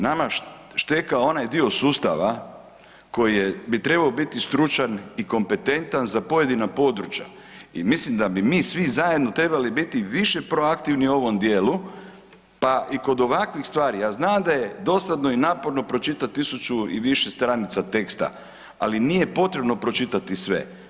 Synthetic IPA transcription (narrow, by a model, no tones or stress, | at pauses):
nama | ʃt̪ekao̞najd̪io̞suːst̪a̰ʋa | ko̞jijebit̪ɾe̞baobit̪ist̪ɾut͡ʃaniko̞mpe̞t̪e̞nt̪anzapo̞je̞d̪inapo̞d̪ɾut͡ʃja̰ | ḭmislimd̪abimiːsʋizajed̪no̞t̪ɾe̞balibit̪iʋiʃepɾo̞akt̪iʋnio̞ʋo̞md̪jeːlu | paʔiko̞d̪o̞ʋakʋixst̪ʋaːɾijaːznaːmd̪aje̞d̪o̞sad̪no̞inaːpo̞ɾno̞pɾo̞t͡ʃit̪at̪ːisut͡ʃuḭʋiʃest̪ɾanit̪sat̪e̞kst̪a̰ | a̰linije̞po̞t̪ɾe̞bno̞pɾo̞t͡ʃit̪at̪isʋe̞̰